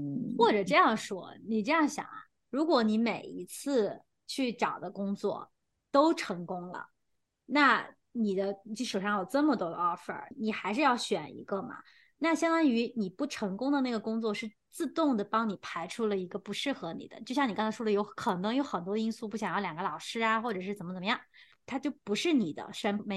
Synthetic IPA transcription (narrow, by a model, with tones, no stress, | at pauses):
xwɔ˥˩ʈ͡ʂɤ˨˩ʈ͡ʂɤ˥˧jɑ˥˩ŋʂwɔ̰˥ni˨˩ʈ͡ʂɤ˥˧jɑ˥˩ŋɕjɑ̰˨˩˦ŋ | ɻu˧˥kwɔ˧˥ni˧˥me˨˩ɪi˧˥t͡sʰɹ̩˥˩ | t͡ɕʰy˥˩ʈ͡ʂɑ˨˩ʊd̪ə˦kʊ˥ŋt͡swɔ̰˥˩ | t̪o˥ʊʈ͡ʂʰɤ˧˥ŋkʊ˥ŋlə̰˩ | na˥˩ | ni˨˩d̪ə˦t͡ɕi˥˩ʂu˨˩ʂɑ˥˩ŋjo˨˩ʊʈ͡ʂɤ˥˩mə˩t̪wɔ˥ə̰˧ɑ˥fə̰˧˩ni˨˩xa˧˥ɪʂɻ̩˥˧jɑ˥˩ʊɕɥɛ˨˩nḭ˧˥ɡə˧mɐ̰˩ | na˥˩ɕjɑ˥ŋt̪wa˥ny˧˥ni˨˩pu˥˩ʈ͡ʂʰɤ˧˥ŋkʊ˥ŋd̪ə˨˧na˥˩ɡə˩kʊ˥ŋt͡swɔ˥˧ʂɻ̩˥˧ | t͡sɹ̩˥˧t̪ʊ˥˩ŋd̪ə˩pɑ˥ŋni˨˩pʰa˧˥ɪʈ͡ʂʰu˥lə˨˧i˧˥ɡə˧pu˧˥ʂɻ̩˥˩xɤ˧˥nḭ˨˩d̪ə̰˦t͡ɕjo˥˧ɕjɑ˥˩ni˨˩kɑ˥ŋt͡sʰʂwɔ˥d̪ə˧jo˧˥ʊkʰɤ˨˩nɤ˧˥ŋjo˧˥ʊxə˨˩nt̪wɔ˥də˧i˥nsu˥˧pu˥˩ɕjɑ˨ŋjɑ˥˩ljɑ˨˩ŋɡə˧lɑ˨˩ʊʂɻ̩˥a˨˧xwɔ˥˩ʈ͡ʂɤ˨˩ʂɻ̩˥˩ə˨˩nmə˦t͡sə˨˩m˧˦jɑ˥˩ŋ | t̪ʰa˥t͡ɕjo˥˩ʊpu˧˥ʂɻ̩˥˩ni˨˩d̪ə̰˦sə˧˥nme˧˥